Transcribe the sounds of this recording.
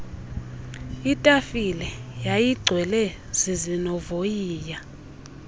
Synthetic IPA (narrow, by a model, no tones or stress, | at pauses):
itʼafilɛjajiɡ͡ǀʱwɛlɛ | z̥izinɔvojiːja